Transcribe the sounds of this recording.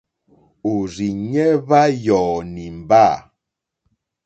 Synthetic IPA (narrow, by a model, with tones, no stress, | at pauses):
o˨ɾi˨ɲɛ˦βa˦jɔː˨ni˨m̩˨ba˦˨